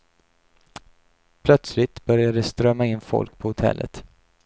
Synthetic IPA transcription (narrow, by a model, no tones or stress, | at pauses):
pʰlœt̪slɪt̪bœɾjad̪əst̪ɾœmːaɪnːfɔ̰lk̚pʰɔhʊt̪ʰɛ̰lːə̰t̪